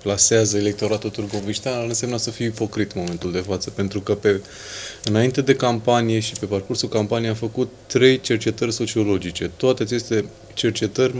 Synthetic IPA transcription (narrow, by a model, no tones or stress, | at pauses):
plaseazəele̞k̚t̪o̞ɾat̪ult̪urɡo̞viʃt̪eanɨnsemnəsəfijipo̞kɾit̪nmo̞me̞nt̪uld̪e̞fat̪səpe̞nt̪ɾukəpe̞ | ɨnaint̪e̞d̪e̞kampanije̞ʃipe̞parkursulkampanijeafəkut̪ːɾe̞jt͡ʃe̞rt͡ʃe̞t̪ərʲso̞t͡ʃio̞lo̞d͡ʒit͡ʃe̞t̪oat̪e̞at͡ʃe̞st̪e̞ | t͡ʃe̞rt͡ʃe̞t̪ərʲ